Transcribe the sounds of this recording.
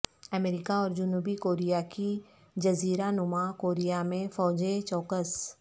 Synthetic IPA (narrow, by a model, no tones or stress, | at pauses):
əmeːɾɪkaɔːɾd͡ʒʊnuːbikoːɾijaki | d͡ʒɐziːɾanʊmakoːɾijamẽfɔːd͡ʒet͡ʃɔːkəs